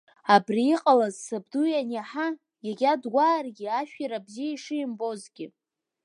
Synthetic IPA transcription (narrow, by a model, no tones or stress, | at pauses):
abriiqʼalazsabdujanaħa | jaɡʲadɡʷaːrɡʲiaʃᶣiɾabziaiʂɨimbo̞zɡʲɪ